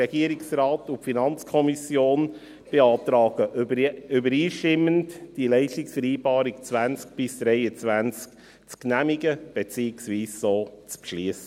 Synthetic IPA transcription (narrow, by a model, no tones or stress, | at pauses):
ɛɡ̥iəɾɪksrɑːtʊpfinɑnt͡skʰɔmisjoːn | b̥eɑːtɾɑːɡ̥əʏbəɾiːʃtɪmːəntd̥ilɛɪʃtɪksfɛɾiːbɑːɾɪkt͡svænt͡sk̚b̥ɪsd̥ɾɛɪət͡svænt͡sk | t͡sknæmiɡəb̥et͡siːɪksviːssoːt͡spʃliəsə